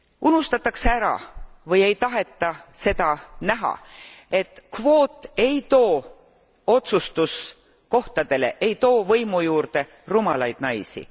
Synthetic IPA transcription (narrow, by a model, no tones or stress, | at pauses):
unust̪ɑt̪ːˑɑksæɾɑ̰vɤje̞jt̪ɑɦe̞t̪ˑːɑse̞d̪̥ɑnæɦɑ̰e̞t̪kvo̞ːt̪ːˑe̞jt̪o̞ː | o̞t̪sust̪us | ko̞ht̪ɑd̪e̞le̞̰ʔe̞jt̪o̞ːvɤjmujuːrd̪̥e̞ | rumɑlɑjd̪̥nɑjsḭ